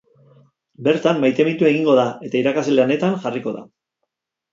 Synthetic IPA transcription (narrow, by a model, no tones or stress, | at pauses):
be̞ɾt̪amːajt̪e̞ment̪ue̞ɣiŋɡo̞ðae̞t̪aiɾakaseleane̞t̪anʝariko̞ða̰